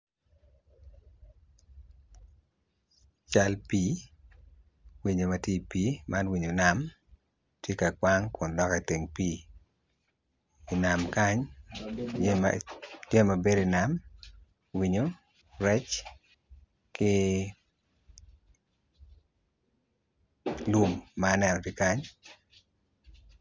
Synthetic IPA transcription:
t͡ʃa˦lpi˦ | wi˨ɲo˨ma˨tje˦i˨pi˦ma˦nwi˨ɲo˨na˨m | tje˦ka˨kwa˦ŋkʊ˨ndɔ˦ke˨te˨ŋpi˦ | i˨na˨mka˦ɲ | d͡ʒɛ˦ma˨be˦di˨na˨m | wi˨ɲo˨ | ɾɛ˦t͡ʃ | kɪ˦ | lu˦mːaː˦nɛ˦nɔ˨ti˦ka˦ɲ

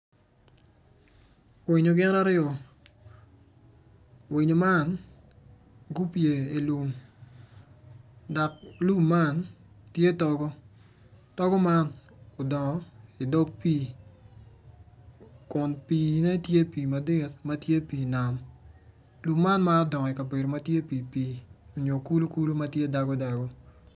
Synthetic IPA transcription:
wi˨ɲo˨ɡɪ˦na˦ɾɪjɔ˨ | wi˨ɲo˨ma˦n | ɡu˦pje˨e˨lu˨m | da˨k̚lu˦mːa˦˨n | tje˦tɔ˨ɡɔ˦ | tɔ˦ɡɔ˦ma˦no˨dɔ˨ŋɔ˨˦i˨dɔ˦ɡpi˦ | kʊ˨npi˨nɛ˦tje˦piː˨ma˨dɪ˦˨t̚ma˦tje˦piː˨na˨m | lu˨mːa˦nma˦dɔ˨ŋɔ˨ɪ˨ka˨be˨ɾo˨ma˦tje˦pi˨piː˦o˨ɲo˨ku˦lo˦ku˦lo˦ma˦tje˦da˨ɡɔ˦da˨ɡɔ˦

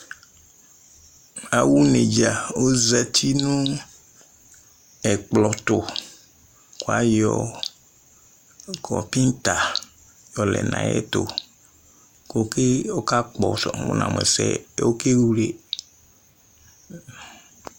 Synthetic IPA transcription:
a˨wu˦ne˨d͡ʒa˨o˦za˨tʰi˦nũ˦ | ɛ˨k͡plɔ˨tʊ˨ | kwa˦jɔ˨ | kʰɔ˨pi˦n˦ta˨ | jɔ˨lɛ̰˨nã̰˨jɛ̰˦tʊ̰˨ | ko˨ke˦ɔ˦ka˦k͡pɔ˨sɔ˨ṵ˦nã̰˨m˨ɛ˨sɛ̰˦˨˦o˦ke˦wu˦le˨

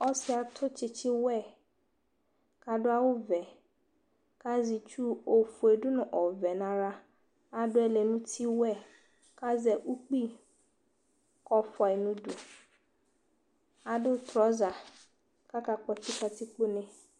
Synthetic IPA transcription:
ɔ˦sɪ˦a˨tʰʊ˦t͡ʃɪ˨t͡ʃɪ˦wɛ˦˨ | ka˨dʊ˦a˦wʊ˦vɛ˨ | ka˦zi˨t͡ʃu˦o˨fu˨e˨dʊ˦nʊ̃˨ʔɔ˨vɛ˨nã˨ɾa˦ | a˨dʊ˦ɛ˨le˨nʊ̃˦tʰi˦wɛ˦ | ka˦zɛ˨ʔu˦k͡pi˦˨ | kɔ˨fɔ˨ɪ˨nʊ̃˦du˨ | a˨dʊ˦tɾɔ˨˦za˨ | ka˦ka˨k͡pɔ˦t͡ʃɪ˦ka˨tɪ˦k͡pʊ˦nɪ̃˦

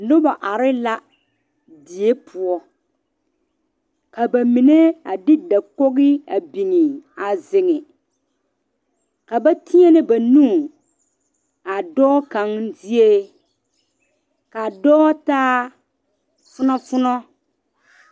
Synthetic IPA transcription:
nʊ˦ba˨ʔa˨ɾɪ˦la˦ | di˨e˦pʰʊ˨ɔ˦ | ka˨ba˨mi˨ne˦a˨dɪ˦da˨ko˦ɣɪ˦a˨bi˨ŋɪ˨a˨zɪ˨ŋɪ˨ | ka˨ba˦tʰi˦ɛ˦nɪ˦ba˨nũ˦˨ | a˨dɔː˦ka˨ŋzɪ˦e˦ | ka˨dɔː˦taː˦ | fʊ˦nɔ˦fʊ˦nɔ˦

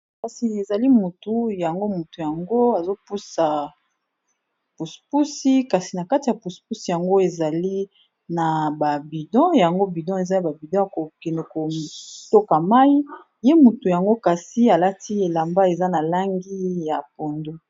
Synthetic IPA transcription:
ka˨si˨e˨za˨li˦mu˨tu˨ja˨ŋɡo˦mu˨tu˨ja˨ŋɡo˦a˨zo˦pu˦sa˨ | pu˨spu˦si˦ka˨si˨na˨ka˦ti˨ja˨pu˨spu˦si˨ja˨ŋɡo˦e˨za˨li˦ | na˨ba˨bi˨dɔ̃˦ja˨ŋɡo˦bi˨dɔ̃˦e˨za˦ja˨ba˨bi˨dɔ̃˦ja˨ko˨kɛ˨ne˨ko˨to˦ka˨ma˦i˦ | je˦mu˨tu˨ja˨ŋɡo˦ka˨si˦a˨la˦ti˦e˨la˨mba˦e˨za˦na˨la˦ŋɡi˦ja˨po˨ndo˦

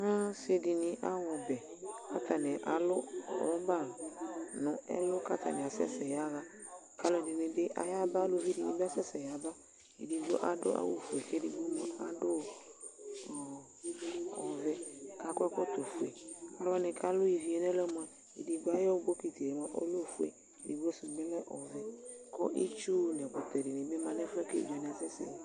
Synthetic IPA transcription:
ã˦se˦dɪ˨nɪ̃˨˦ʔa˦wɔ˨bɛ˨ka˦ta˨nɪ˨ʔa˨lʊ˦ɔ̰˨ɔ˦ba˦˨nʊ̃˨ɛ̰˦lʊ˦ka˦t̪a̰˨nɪ˨a˨sɛ̰˦sɛ˨ja˨˦ɣa˦ | ka˨lɔ˨dɪ˨nɪ̃˨bɪ˦ʔa̰˨ja˦ba˦lʊ˦vi˦di˨nɪ̃˨ba˦sɛ˦sɛ˨ja˨ba˦ | ḛ˨di˨bo̰˦ʔa˦dʊ̰˦ʔa̰˦wo˨fu˨e˨ke˦di˨bo˦mɔ̃˨a˨dʊ˦˨ | ɔ˨vɛ˦ka˦kɔ˦kɔ˦t̪o˨fu˨e˨ka˦lwa˦nɛ˨ka˦lʊ˦i˨vi˨ɛ˨nɛ˦lɔ˦m˨ã˨ | e˨di˨ɡ͡ba˦jɔ˦ɡ͡bo˦ki˨t̪i˨e˨mɔ˨ʔo̰˦lo˦˨fu˦ḛ˨ | e˨di˨ɡo˦su˨ɡ͡bɛ˦lɛ˦ʔɔ˨vɛ˦kɔ̰˦ʔḭ˦t͡ʃu˦nɛ˨kɔ˨t̪ɛ˨di˨ne˨be˦mã˨nɛ˦fɛ˦kḛ˦˨bɛ˨nɛ˨a˨sɛ˦sɛ̰˨

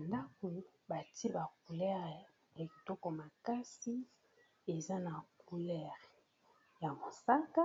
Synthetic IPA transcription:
a˨nda˦ku˨ba˨ti˦e˦ba˨ku˨lɛ˦ʁ | ɛ˨ki˨to˦kɔ˨ma˨ka˦si˦ | e˨za˦na˨ku˨lɛ˦ʁ | ja˨mo˨sa˦ka˦

